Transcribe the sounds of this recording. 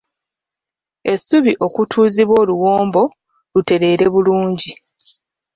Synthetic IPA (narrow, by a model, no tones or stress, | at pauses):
e̞suβiʔo̞kutʰuːziβwo̞ːluwo̞ːmbo̞ | lute̞ɾe̞ːɾeβuluːɲɟi